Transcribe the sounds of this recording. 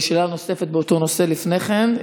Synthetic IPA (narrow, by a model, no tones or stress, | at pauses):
ʃelano̞se̞fet̪̚beot̪o̞no̞se̞lifne̞χen